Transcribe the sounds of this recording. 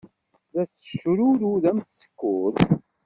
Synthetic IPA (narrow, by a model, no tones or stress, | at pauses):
ðæθə̥ʃɾʊɾuðæmθsə̥kːʊθ